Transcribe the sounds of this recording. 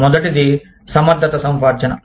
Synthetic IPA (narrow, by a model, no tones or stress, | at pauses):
mɔd̪ɐʈid̪i | sɐmɐɾd̪ʱɐt̪ɐsɐmpaːɾd͡ʒɐnɐ̰